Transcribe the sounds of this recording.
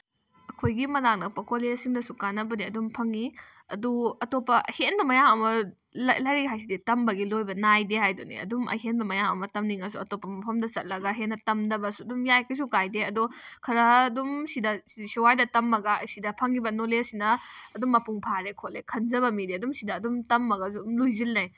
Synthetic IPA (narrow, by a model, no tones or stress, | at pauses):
ɐkʰojɡimɐlaŋnɐpɐkʰolesiŋdɐsukanɐbɐdiɐdumpʰɐŋi | ɐ̰duɐtopːɐhenbɐmɐjaŋɐmɐ | llɐjɾiɦajs̬iditɐmbɐɡilojbɐnajdehajdunḭɐ̰dumɐ̰jɦenbɐmɐjaŋɐ̰mɐtɐmniŋɐsuɐtopːɐmɐpʰɐmdɐsɐt̚lɐɡɐɦenːɐtɐmdɐbɐsuɐdumjajkʰɐs̬ukajdeɐdukʰɐɾɐdumsidɐsidisiwajdɐtɐmːɐɡɐɐ̰jsidɐpʰɐŋibɐnolesinɐːdumːɐpuŋpʰaɾekʰolekʰɐnzɐbɐmidieɐdumsidɐːdumtɐmːɐɡɐzumlojzilnɐj